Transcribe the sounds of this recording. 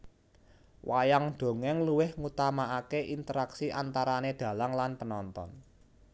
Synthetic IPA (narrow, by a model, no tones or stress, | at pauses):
wajaŋɖ̪̥o̤ŋɛŋluwɪhŋut̪amaakeʔint̪əɾaksiʔant̪aɾaned̪̥ä̤laŋlanpənɔnt̪ɔ̰n